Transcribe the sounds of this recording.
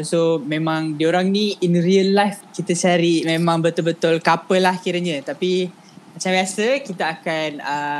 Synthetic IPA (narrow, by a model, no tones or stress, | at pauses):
somẽmãŋdioɾaŋniinɾiəlːajfkit̪ət͡ʃaɾimẽmãŋbət̪ʊlbət̪ʊlkapəlahkiɾəɲət̪api | mat͡ʃambiasəkit̪aakanə